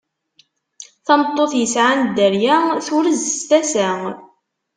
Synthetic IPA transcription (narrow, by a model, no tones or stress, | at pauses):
θɑmt̪ˤːoθjəsʕand̪əɾjæθʊɾəzst̪æsæ